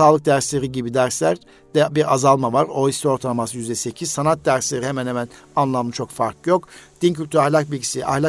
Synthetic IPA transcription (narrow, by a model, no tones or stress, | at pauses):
aːlˠɯk̚d̪æɾslʲe̞ɾiɟibid̪æɾslʲæɾ | d̪̥ɛbiɾazalˠmavaɾoist̪io̞ɾt̪ʰalˠmasɯjyzd̪ɛse̞cʰiz̥sanat̪̚d̪æɾslʲe̞ɾihemænhemænanlˠamɯt͡ʃʰo̞kfaɾkjo̞kd̪̥incʰylʲt̪ʰyɾahlʲak̚bilʲɟisiʔa̰hlʲa